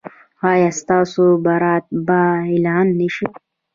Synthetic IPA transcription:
haːjast̪aːsubɐɾaːt̪̚bailaːnːiɕi

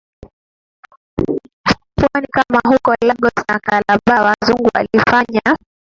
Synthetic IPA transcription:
fpuɔnikamaɦukɔlaɡɔsnakalaɓawazuŋɡua̰lifaɲa

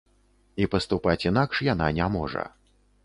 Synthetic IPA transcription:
ipɐst̪upat͡sʲin̪akʂjananʲamɔ̰ʐɐ̰

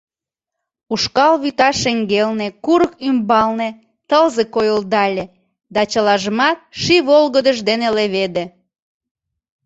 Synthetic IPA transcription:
uʃkɑlβyt̪ɑʃeŋɡelnekuɾəkymbɑlne | t̪əlzekojold̪ɑlʲe | d̪ɑt͡ɕəlɑʒəmɑt̪̚ʃiβolɣəd̪əʒd̪eneleβed̪e

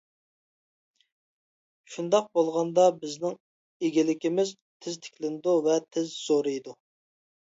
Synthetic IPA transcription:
ʃund̪ɑq̚bolˠʁɑnd̪ɑbɪznɪŋ | eɡʲilɪkʲimɪz | t̪ʰɪzt̪ʰɪ̥kʲlɪnɪd̪uvɛt̪ʰɪzz̥oɾɨjd̪u

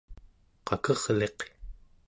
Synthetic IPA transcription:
qɑkʌʁle̞q

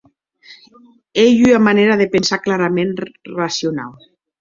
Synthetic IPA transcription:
ejyamaneɾaðepensaklaɾamenrasjona̰lˠ

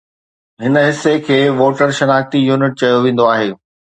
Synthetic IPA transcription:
ɦɪnə̆ɦɪsːekʰeːʋoːʈəɾʃɐnaːk̚t̪ijuːnɪʈ̚t͡ɕɐjoʋẽːn̆d̪oaːɦeː

